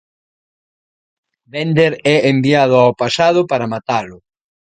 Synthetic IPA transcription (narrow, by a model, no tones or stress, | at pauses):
bɛnd̪eɾɛembiaðʊawpasað̞ʊpaɾɐmat̪alʊ